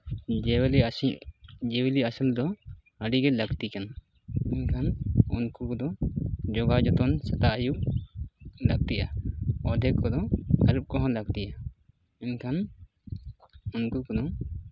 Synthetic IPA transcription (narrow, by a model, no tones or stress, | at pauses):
wl | d͡ʒɛwiliasild̪ɔ | əɖiɡɛləɡt̪ikana | ɛnkʰanṵnkukɔd̪ɔd͡ʒɔɡad͡ʒɔt̪ɔnsɛt̪aʔajuʔ | laɡ̚t̪iʔaɔd̪ʱɛkːɔd̪ɔaɾup̚kɔɦɔ̃laɡ̚t̪iʔa | ɛnkʰan | unkukɔd̪ɔ